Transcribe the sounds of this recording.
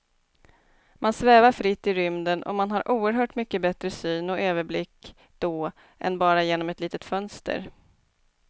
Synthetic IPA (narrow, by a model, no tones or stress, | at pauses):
mʔansvɛːvaɾfɾɪt̪ːɪɾʏmd̪ənʔɔ̰manɦaɾʔuːəɾɦœːʈmʏkːəbɛt̪ɾəsyːnɔʔøːvəɾblɪkː | d̪̥ɔː | ʔɛ̰nbɑːɾajeːnɔmɛt̪liːt̪ət̪fœnst̪ə̰ɾ